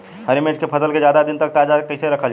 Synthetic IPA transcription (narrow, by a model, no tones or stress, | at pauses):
ɦəɾimẽʈkepʰəsəlked͡ʒjaːd̪ad̪ɪnt̪ək̚t̪aːd͡ʒakəɪseɾəkʰəld͡ʒ